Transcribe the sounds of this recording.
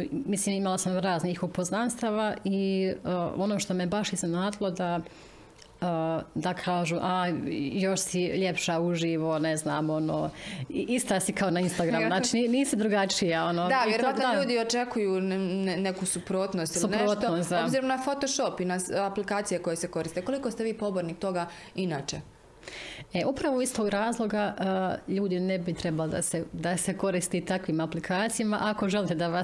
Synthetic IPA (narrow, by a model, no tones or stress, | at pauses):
misliːmimalˠasamɾaːzniːxupoznanst̪aʋai | ʔonoːʃt̪omebaʃiznenaːd̪ilˠo̞d̪a | d̪akʰaːʒuʔajo̞ʃsiʎepʃauʒiːʋo̞nezna̰ːmo̞no̰ːiʔist̪asikʰaonainst̪aɡɾamunat͡ʃininiːsud̪ɾuɡat͡ʃijao̞nod̪aʋjeɾoat̪noʎauːd̪iot͡ʃekujunnekusupɾoːt̪nost̪ilsuineɾoːt̪nosaobziːɾomnafot̪oʃopinasaplikaːt̪sijeko̞jeseko̞ɾist̪eko̞likost̪eʋiːpo̞boɾnik̚t̪o̞ɡa | inaːt͡ʃe | eʔupɾaʋoist̪oɡɾaːzlˠo̞ɡaʔəʎuːd̪inebit̪ɾebaled̪a̰sed̪aseko̞ɾist̪it̪akʋiːmaplikʰaːt̪sijamaʔako̞ʒelit̪ed̪aʋas